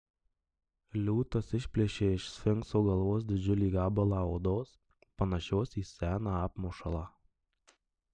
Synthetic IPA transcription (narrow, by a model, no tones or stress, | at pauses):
lʲuːt̪ɐsɪʃʲpʲlʲeʃʲeːɪʃsʲfʲɪŋˑksoːɡɐlˠʋoːs̬d̪ʲɪd͡ʒʲʊlʲiːɡɑːbɐlˠɑoːd̪oːs | pɐnɐʃʲoːsiːsʲæːnɑɑːpmuʃɐlˠɑ